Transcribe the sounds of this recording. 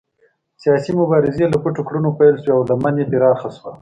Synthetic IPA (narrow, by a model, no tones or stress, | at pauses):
sijɑsimʊbɑɾɪzelakuʈʊkɽunopajlsweawlamanebeɾɑxaswa